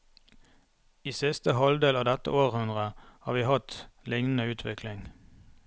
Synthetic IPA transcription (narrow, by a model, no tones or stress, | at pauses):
iːsɪst̪əhɑld̪eːlɑːʋd̪ɛt̪ə̰ʔoːʁhʉnʁəhɑːʁʋiːhɑt̪lɪŋnn̩əʉːt̪ʰʋɪkʰlɪŋ